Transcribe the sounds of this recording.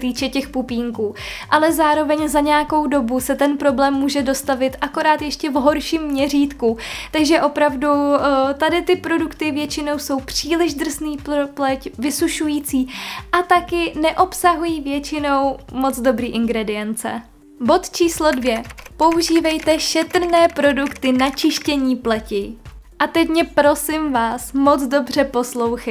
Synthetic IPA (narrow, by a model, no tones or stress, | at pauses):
t̪iːt͡ʃɛcɛxpupiːŋkuːʔalɛzaːɾo̞vɛɲzaɲɛjako̞wdo̞busɛt̪ɛnpɾo̞blɛːmːuːʒɛdo̞st̪avɪt̪ʔako̞ɾaːt̪jɛʃcɛvɦo̞ɾʃiːmːɲɛr̝iːt̪kut̪aɡʒɛʔo̞pɾavdut̪adɪt̪ɪpɾo̞dukt̪ɪvjɛt͡ʃɪno̞wso̞wpr̝̥iːlɪʒd̪r̩zniːpplɛcvɪsuʃujiːt͡siːʔat̪akɪnɛʔo̞psaɦujiːvjɛt͡ʃɪno̞wmo̞d͡zdo̞bɾiːʔɪŋɡɾɛdɪjɛnt͡sɛ̰ | bo̞t̪t͡ʃiːslo̞dvjɛpo̞uʒiːvɛjt̪ɛʃɛt̪r̩nɛːpɾo̞dukt̪ɪnat͡ʃɪʃcɛɲiːplɛcɪʔat̪ɛcmɲɛpɾo̞sɪmvaːsmot͡sdo̞br̝̥ɛpo̞slo̞wxɛ